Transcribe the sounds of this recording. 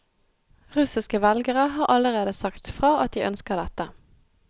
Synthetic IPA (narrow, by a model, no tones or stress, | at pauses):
ʁʉsɪskəʋɛlɡəʁəɦɑːʁʔɑləʁeːd̪əsɑkt̪fʁɑːɑt̪̚d̪iːʔœnskəʁd̪ɛt̪ə